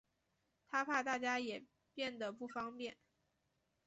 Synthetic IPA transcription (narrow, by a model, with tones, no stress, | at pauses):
t̪ʰa˥pʰa˥˧t̪a˥˩t͡ɕja˥jɛ˨˩ | pjɛ˥˩nd̪ə˩pu˥˩fɑ˥ŋpjɛ˥˩n